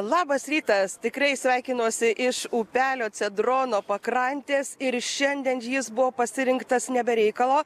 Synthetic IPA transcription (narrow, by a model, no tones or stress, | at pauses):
lˠɑːbɐsɾʲiːt̪ɐst̪ʲɪkɾɐɪsʲʋʲɛɪkʲɪnoːsʲɪʔɪʃuːpʲæːlʲoːt͡s̪ʲɛd̪ɾoːnoːpɐkɾɐnʲt̪ʲeːsɪɾʃʲɛnʲd̪ʲɛnjɪsbʊʋoːpɐsʲɪɾʲɪŋkt̪ɐsnʲɛbʲɛɾʲɛɪkɐlˠoː